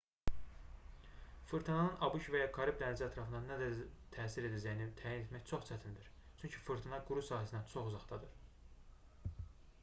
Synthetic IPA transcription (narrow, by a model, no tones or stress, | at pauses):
fɯɾt̪ʰinɑnɯnʔɑbuʃvæjɑkʰɑɾibd̪ænæd͡ʒæt̪ʰɾɑfɯnd̪ɑnæd̪æt̪ʰæːsiɾe̞d̪æd͡ʒæjinit̪ʰæːjine̞t̪ʰmæçt͡ʃʰo̞χt͡ʃʰæt̪ʰind̪iɾ | t͡ʃʰyɲcʰifɯɾt̪ʰinɑɡuɾusɑːɦæsind̪ænt͡ʃʰo̞χuzɑχt̪ɑd̪ɯɾ̥